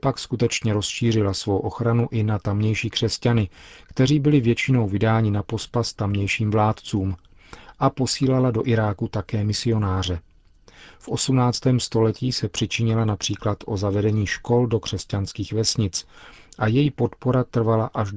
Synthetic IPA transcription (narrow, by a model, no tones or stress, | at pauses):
pakskut̪ɛt͡ʃɲɛɾo̞sʃiːr̝ɪlasvo̞wʔo̞xɾanuʔɪnat̪amɲɛjʃiːkr̝̥ɛscanɪkt̪ɛriːbɪlɪvjɛt͡ʃɪno̞wvɪdaːɲɪnapo̞spast̪amɲɛjʃiːmvlaːt̪t͡suːm | ʔapo̞siːlalado̞ʔɪɾaːkut̪akɛːmɪsɪo̞naːr̝ɛ | fʔo̞sumnaːt͡st̪ɛːmst̪o̞lɛciːsɛpr̝̥ɪt͡ʃɪɲɪlanapr̥iːklat̪ʔo̞zavɛdɛɲiːʃko̞ldo̞kr̝̥ɛscanskiːxvɛsɲɪt͡sʔajɛjipo̞t̪po̞ɾat̪r̩valaʔaʒ